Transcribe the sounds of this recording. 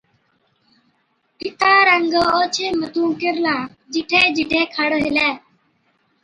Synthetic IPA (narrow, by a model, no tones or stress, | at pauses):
pɪt̪ʰaːɾəŋɡoːt͡ʃʰeːmət̪ũːkɪɾlãː | d͡ʒɪʈʰeːd͡ʒɪʈʰeːkʰəɽɦɪleː